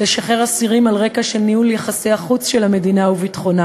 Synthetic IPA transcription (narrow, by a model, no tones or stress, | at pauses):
eʃaχe̞ʁasiʁimalʁe̞kaʃe̞lniuljaχaseaχut͡sʃelame̞dinauvitχo̞na